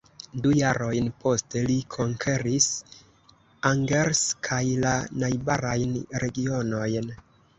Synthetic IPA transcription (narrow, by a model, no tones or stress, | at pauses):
dujaɾo̞jnpo̞ste̞likʰo̞ŋkʰe̞ɾis | aŋɡeɾskʰajlanajbaɾajnɾe̞ɡio̞no̞jn